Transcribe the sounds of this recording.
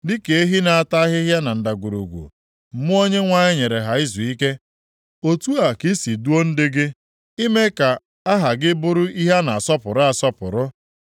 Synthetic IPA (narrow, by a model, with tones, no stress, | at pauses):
dɪ˦ke˨e˦ɦi˦na˨a˨ta˦ɦɪ˦ɦja˦na˨n̩˨da˨ɡʷu˨ɾṵ˨ɡʷṵ˨ | m̩˦mʊ˦o˦ɲe˦ŋʷa˦˨ɲɪ˦ɲe˨ɾe˨ɦa˨ɪ˦zu˨i˦ke˦ | o˦tu˦a˨ki˦si˨du˦o˦n̩˦dɪ˦ɡɪ˦ | i˦me˦ka˨ | a˦ɦa˨ɡɪ˦bʊ˦ɾʊ˦ʔi˦ɦa˦na˨a˨sɔ˦pʊ˨ɾa˨sɔ˦pʊ̰˨ɾʊ˦